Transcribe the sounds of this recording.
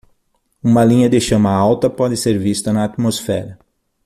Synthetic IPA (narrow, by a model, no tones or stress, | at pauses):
ũmɐlĩɲɐd̪eʃɐ̃mɐawt̪ɐpɔd̪ɪseɾvist̪ɐnɐːt̪mosfɛɾɐ